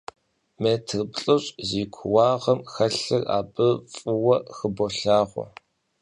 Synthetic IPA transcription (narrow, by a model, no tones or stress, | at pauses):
meːtʰɨrbɬʼɨɕʼziːkʷʰʊwɑːʁɐmxɐɬɨra̰ːbɨfʼɨwɐxəboɬaːʁʷɔ̰